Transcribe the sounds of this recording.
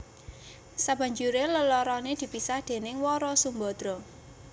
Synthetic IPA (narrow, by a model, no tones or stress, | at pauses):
saba̤ɲd͡ʒuɾeləlɔɾɔned̪̥i̤pisahd̪̥e̤nɪŋwɔɾɔsumbɔd̪̥ɾɔ